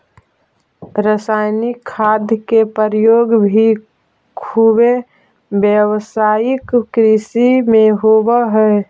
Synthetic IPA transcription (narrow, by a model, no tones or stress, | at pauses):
ɾəsaːɪnikʰːaːd̪ʱjkepəɾəjoːɡbʱi | kʰuːbe | bjəwsaːjɪkːɾisimẽɦoːbəɦɛ